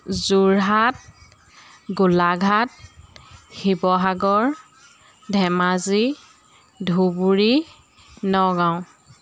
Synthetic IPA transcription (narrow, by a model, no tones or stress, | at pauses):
zuɹɦat̚ | ɡulaɡʱat̚ | xibɔɦaɡɔɹ | dʱɛmazi | dʱubuɹi | nɔɡaʊ̃